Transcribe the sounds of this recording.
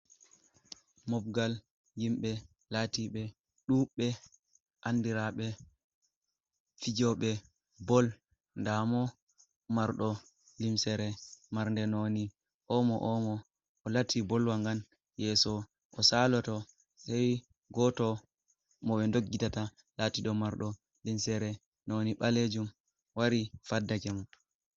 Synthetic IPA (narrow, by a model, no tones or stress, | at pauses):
mɔb̚ɡal | jimɓɛ | latiɓɛ | ɗuɓɛ | ʔandiɾaɓɛ | fid͡ʒɔɓɛ | bɔl | ndamɔ | maɾɗɔ | limsɛɾɛmaɾndɛnoni | ʔɔmɔʔɔmɔː | latʰːibɔlwaŋɡan | jɛːsɔ | ʔɔsalɔtɔ | sɛj | ɡɔtɔ | mɔɓɛndoɡːitata | latiɗɔmaɾɗɔ | limsɛɾɛ | noniɓaled͡ʒum | waɾifadːakɛmɔ